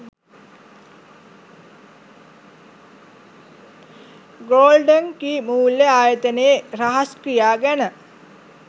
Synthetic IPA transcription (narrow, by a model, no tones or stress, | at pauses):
ɡoːlɖəŋkiːmuːljəaːjət̪əneeraɦɐskɾijaːɡænə